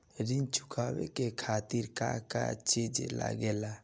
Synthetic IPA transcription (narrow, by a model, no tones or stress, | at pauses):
ɾint͡ʃukʰaːwɛ̰kekʰaːt̪iɾkaka̰t͡ʃed͡ʒla̰ɡɛla